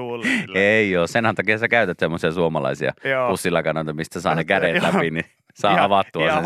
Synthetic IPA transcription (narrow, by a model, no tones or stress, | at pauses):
eioːssenhænt̪ɑkihɑsekæyt̪æt̪semːosiɑsuomɑlɑ̰isiɑ̰pusːilːɑkɑnoˑt̪ɑmist̪æsɑ̰ːnekædet̪læpini | sɑːɑʋɑt̪ːuɑse